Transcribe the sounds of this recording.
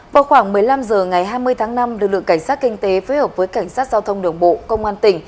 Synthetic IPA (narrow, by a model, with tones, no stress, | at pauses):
vaː˨˩wxwaː˧˩ŋmɨ˨˩əjla˧mzəː˨˩ŋa˨˩jɦaː˧jmɨ˧əjt̪ʰaː˨˦ŋna˧mlɨ˨˩k̚lɨ̰˧˨ə˨ŋka˧˩jŋ̟saː˦˥t̚kï˧ŋt̪e˨˦fo˨˦həː˨˩p̚vəː˨˦jka˧˩jŋ̟saː˦˥t̚zaː˧wt̪ʰə˧wŋ͡mɗɨ˨˩əŋɓo̰˧˨kə˧wŋ͡mʔaː˧nt̪ï˧˩ŋ̟